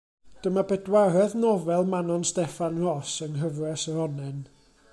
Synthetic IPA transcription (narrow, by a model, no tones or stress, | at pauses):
d̥əmabɛdwaɾɛðnɔvɛlˠmanɔnstɛfanrɔsəŋɦəvrɛsəɾɔnɛn